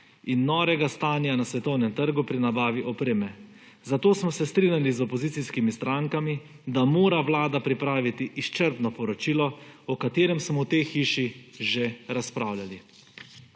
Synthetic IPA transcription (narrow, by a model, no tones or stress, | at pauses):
inːɔːʋɛɡast̪aːnjanasʋɛt̪ɔwnɛmt̪əɾɡupɾinabaːʋiʔɔpɾeːmɛ | zat̪oːsmɔsɛst̪ɾiːnʲjalizɔpɔzit̪siskimist̪ɾʔaŋkami | d̪amoːɾaʋlaːd̪apɾipɾaːʋit̪iʔist͡ʃəɾpnɔpɔɾɔt͡ʃiːlɔɔkat̪eːɾɛmsmɔwt̪ejxiːʃiʒeɾaspɾaːwlʲali